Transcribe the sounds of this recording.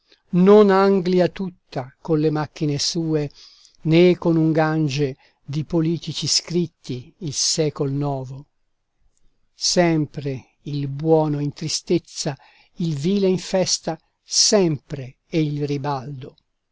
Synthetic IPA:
nonaŋɡliat̪ut̪ːakonlemak̟ːinesuːe | nekːonuŋɡand͡ʒe | d̪ipoliːt̪it͡ʃiskɾit̪ːiːlsɛːkolnɔːvo | sɛmpɾe | ilbwɔːnoint̪ɾist̪et̪sːa | ilviːleiɱfɛst̪a | sɛmpɾe | ɛilribald̪o

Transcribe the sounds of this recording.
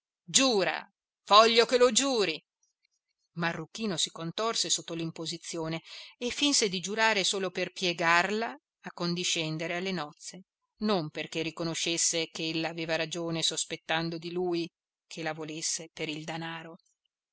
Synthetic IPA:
d͡ʒuːɾa̰ | vɔʎːokelod͡ʒuːɾi | marːukːiːnosikont̪orsesot̪ːolimpozit̪sːjoːneːfːinsed̪id͡ʒuɾaːɾesoːloperpjeɡarlaː | kːond̪iʃɛnd̪eɾealːenɔt̪sːe | nomperkerːikonoʃːesːekeelːaːveːvaɾad͡ʒoːnesospet̪ːand̪od̪iluːj | kʰelavolesːepeɾild̪anaːɾo

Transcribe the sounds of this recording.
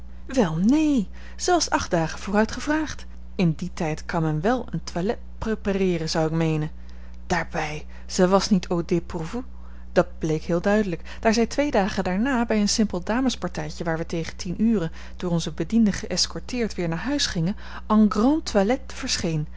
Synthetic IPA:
ʋɛlˠnej | z̥əɛʋlɑfsɑχd̚d̥aːχəvʊːrœɥtχəvraːχt | ɪnditɛjtkɑnmɛnʋɛlˠəntʋalɛt̚preparɪːrənz̥ɑwɪkmejnən | d̥aːɹbɛj | z̥əʋɑsnitʰowdɪpuvu | d̥ɑd̚blejkɦɪːlˠdœɥdələk | d̥aːɹzɛjtʋejdaːχəndaːɹnaːbɛjənsɪmpəlˠdaːməspɑɹtɛjcəʋaːɹʋətejχətinʔyːrən | d̥ʊːrɔnzəbədindəχəʔɛskɔɹtɪːɹtʋɪːɹnaːɹɦœɥsχɪŋən | ɑŋɡrɑntʋalɛtfəɹsχejn

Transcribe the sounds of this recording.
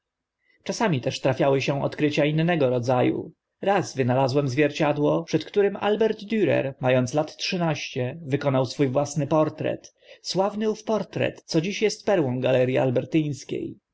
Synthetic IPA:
t͡ʂasamʲit̪ɛʂt̪ɾafʲjawɘɕɛ̃ɔ̰t̪kɾɘt͡ɕainːɛɡɔɾɔd̪zajṵ | ɾazvɘnalazwɛmzvʲjɛɾt͡ɕad̪wɔpʂɛt̪kt̪uɾɘmʔa̰lbɛɾd̪d̪ʲyɾɛ̰ɾmajɔnt̪slat̪tʂɘnaɕt͡ɕɛvɘkɔnawsfujvwasnɘpɔɾt̪ɾɛ̰t̪ | swavnɘufpɔɾt̪ɾɛ̰t̪sɔd͡ʑiɕjɛst̪̚pɛɾwɔ̃w̃ɡalɛɾʲjia̰lbɛɾt̪ɘj̃skʲḛj

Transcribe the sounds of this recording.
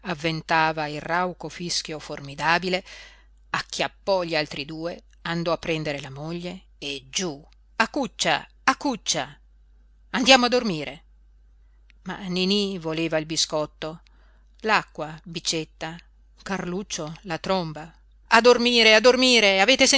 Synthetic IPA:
avːent̪aːvailrawkofisk̟joformid̪aːbile | akːjapːɔʎialt̪ɾid̪uːe | and̪ɔapːɾɛnd̪eɾelamoʎːeː | d͡ʒu | akːut͡ʃːa | akːut͡ʃːa | and̪jaːmoad̪ormiːɾe | ma̰nenivoleːvailbiskɔt̪ːo | lakːwabit͡ʃet̪ːa | karlut͡ʃːolat̪ɾomba | ad̪ormiːɾead̪ːormiːɾeaveːt̪ese

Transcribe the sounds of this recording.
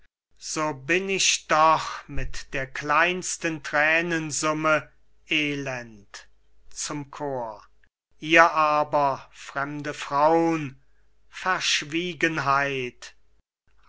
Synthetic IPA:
z̥oːbɪnɪɕd̥ɔχmɪtd̥eːɐklaɪnstəntʁɛːnənzʊmə | ʔeːlɛnt | t͡sʊmkʰoːɐ | ʔiːɐʔaːbɐfʁ̥ɛmdəfʁ̥aʊən | fɛɐʃviːɡənɦaɪt

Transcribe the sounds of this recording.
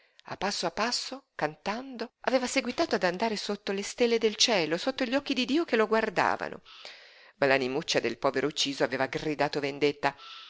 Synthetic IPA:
a̰pːasːoapːasːokant̪and̪oaveːvaseɡwit̪aːt̪oad̪and̪aːɾesot̪ːolest̪elːed̪elt͡ʃɛːlosot̪ːoʎːɔkːid̪id̪iːokeloɡward̪a̰ːva̰no̰ | malanimut͡ʃːad̪elpɔːveɾʔout͡ʃːiːzoaveːvaɡrid̪aːt̪ovend̪et̪ːa

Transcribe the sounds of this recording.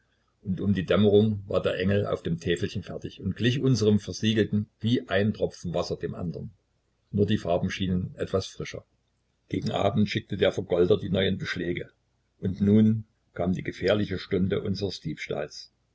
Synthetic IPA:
ʔʊntʊmdiːdɛməʁʊŋva̰ːɐdeːɐʔɛŋl̩ʔa̰ʊfd̥eːmtʰɛːfl̩çənfɛɐtɪçʊntɡ̥lɪçʔʊnzəʁəmfɛɐziːɡl̩tn̩viːʔaɪntʁ̥ɔp͡fn̩vasɐd̥eːmʔa̰ndəʁənː | uːɐdiːfaɐbm̩ʃiːnənʔɛtv̥asfʁ̥ɪʃɐ̰ | ɡ̥eːɡŋ̩ʔa̰ːbm̩tʃɪk̚tədeːɐfɛɐɡɔldɐdiːnɔʏənbəʃlɛːɡə | ʔʊntnuːn | kʰaːmdiːɡəfeːɐlɪçəʃtʊndə̰ʔʊnzəʁəsd̥iːpʃta̰ːls

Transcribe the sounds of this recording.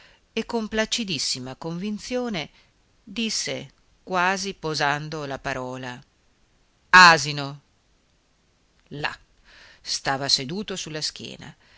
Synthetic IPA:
ekːomplat͡ʃid̪isːimakoɱvint̪sjoːne | d̪isːe | kwaːzipozand̪olapaɾɔːla | aːzino | la̰ | st̪aːvased̪uːt̪osulːask̟jɛ̰ːna̰

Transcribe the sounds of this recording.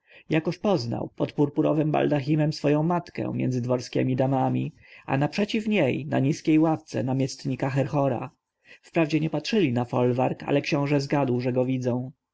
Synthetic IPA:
jakɔɕpɔzna̰wpɔt̪puɾpuɾɔ̰vɛmba̰ld̪axʲimɛmsfɔjɔ̃w̃mat̪kɛ̰̃mʲjɛ̰nd̪zɘd̪vɔɾskʲɛ̰mʲid̪amamʲḭ | ʔa̰napʂɛt͡ɕifɲejna̰ɲiskʲejwaft̪sɛ̰namʲjɛst̪ɲikaxɛɾxɔɾa̰ | fpɾavd͡ʑɛɲɛpatʂɘlʲinafɔlvaɾka̰lɛkɕɔ̃w̃ʐɛzɡad̪wʐɛɡɔvʲid̪zɔ̃w̃

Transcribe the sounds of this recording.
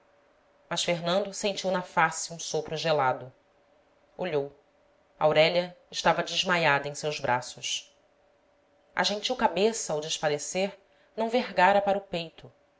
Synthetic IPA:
mɐʃfeɦnɐ̃nd̪ʊsẽnt͡ʃiwnɐfasiũsopɾʊʒelad̪ʊ | oʎow | ɐawɾɛʎɐɪʃt̪avɐd͡ʒɪʒmajad̪ɐẽj̃sewzbɾʔasʊs | ɐ̰ʒẽt͡ʃiwkabesɐːwd͡ʒɪʃfaleseɾ | nɐ̃w̃veɦɡaɾɐpaɾʊpejt̪ʊ

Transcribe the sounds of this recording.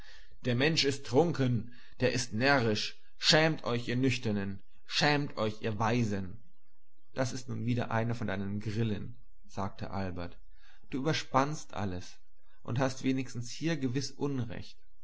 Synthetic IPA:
d̥eːɐmɛnʃɪstʁ̥ʊŋkən | d̥eːɐʔɪstnɛɐʁɪʃ | ʃɛːmtʰʔɔʏçʔiːɐnʏçtɐnən | ʃɛːmtʰʔɔʏçʔiːɐvaɪzən | d̥asɪstnuːnviːdɐ̰ʔa̰ɪnɐfɔndaɪnənɡʁɪlən | z̥aːk̚tʰə̰ʔa̰lbɐɐt | d̥uːʔyːbɐʃpanstʔa̰ləs | ʔʊ̰nthastv̥eːnɪçstn̩shiːɐɡəvɪsʔʊnʁɛ̰çt

